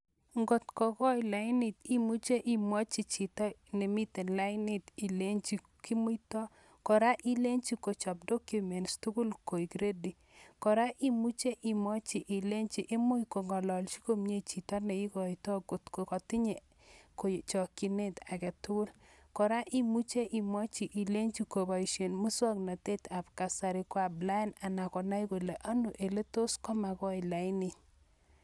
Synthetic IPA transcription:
ŋɡo˨tkɔ˨kɔ˦jla˨ɪ˦nɪ˨t̪i˦mu˦t͡ʃe˦ʔɪ˨mwɔ˦t͡ʃi˨t͡ʃi˨tɔ˦ne˨mi˦te˨nla˦ɪ˦nɪ˦t̪i˨le˦ɲt͡ʃi˨ | ki˦mu˦jtɔ˦ | kɔ˨ɾa˦ʔi˦le˦ɲt͡ʃi˦ko˨t͡ʃɔ˨p̚do˦kju˦mɛ˨nstu˦kʊ˦lko˨i˨kɾe˦di˨ | kɔ˨ɾa˦ʔi˦mu˦t͡ʃe˦ʔi˨mɔ˦t͡ʃi˨ʔɪ˨le˦ɲt͡ʃi˨ʔɪ˦mo˦jko˨ŋɡɔ˨lɔ˨lt͡ʃi˦ko˦mɲe˦t͡ʃi˨ta˦nɛ˨i˦kɔ˨jtɔ˦ɡo˨tko˨kɔ˨tɪ˦ɲe˨ | ko˨t͡ʃɔ˨ki˨ne˦ta˨kɛ˨tʊ˦lkɔ˨ɾa˦ʔi˦mu˦t͡ʃe˦ʔi˨mɔ˦t͡ʃi˨ʔi˨le˦ɲt͡ʃi˦ko˨ba˨i˨ʃe˨nmu˦sɔ˦kna˨te˦ta˨pka˨sa˨ɾɪ˨kwa˨bla˦na˨na˨kɔ˨na˦i˦ko˨le˨ʔa˦nu˨ʔe˨le˦to˦skɔ˦ma˨kɔ˦ɪ˨la˨ɪ˦nɪ˨ɲ

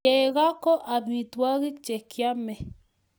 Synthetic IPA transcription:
eɣa˦ko˦ʔabi˨t̪wa˦ɣik̚t͡ʃekjame˨

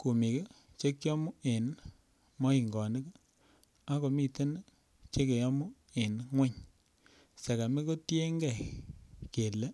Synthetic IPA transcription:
ku˨mi˨ke˦ | t͡ʃe˦kjɔ˦mu˦e˨n | mɔ˦i˨ŋɡɔ˨nɪ˦k | a˦ko˨mi˦˨te˦n˦ | t͡ʃe˦ke˨jɔ˦mu˦ | e˨nŋwe˦ɲ | se˨ka˨me˦ko˦tje˦ŋɡɛ˦˨ | ke˨le˦

